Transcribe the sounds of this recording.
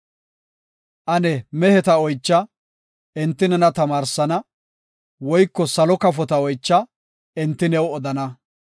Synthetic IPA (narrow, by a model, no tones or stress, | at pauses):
ʔɐnɛmɛhɛt̪ɐɔjt͡ʃːɐ | ɛnt̪ːɪnɛnɐt̪ɐmaːɾsɐnɐ | wɔjkːɔsɐlɔkɐfɔt̪ɐɔjt͡ʃːɐ | ɪnt̪ːɪnɛwɔd̪ɐnɐ